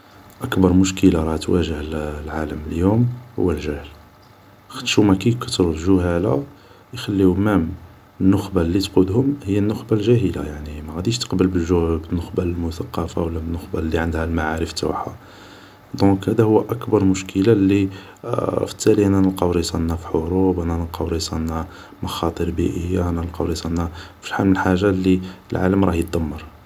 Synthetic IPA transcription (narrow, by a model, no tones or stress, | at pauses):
ʔəkbɑɾˤmʊʃkəlaɾˤɑt̪wæʒəhllʕaləməljumhʊ̰wːəlʒæhəl | xə̥t̪ːʃumækæjkɑ̥t̪ːɾuʒʊhæla | jxælːimæm | nːʊxbalːit̪qud̪hʊmhəjːænːʊxbalʒæhəla̰jaʕnimæɣæd̪iʃt̪ə̥qbəlbəlʒbənːəxbalmʊθɑqːɑfawəlːæbənːʊxbalːiʕənd̪hælmaʕaɾəft̪ʊ̰ħa̰ | d̪ɔ̃khæd̪æhʊwːæʔækbɑɾˤmʊʃkʰəlalːi | fə̥t̪ːæliʔænænəlqɑwɾisˤɑnːæfiħoɾubʔænænəlqɑwɾisˤɑnːæ | mɑxɑt̪ˤəɾbiʔəjːaʔænæəlqɑwɾisˤɑnːæfi̥ħanəlħaʒːalːilʕa̰ləmɾˤɑhjət̪d̪əmːɑɾˤ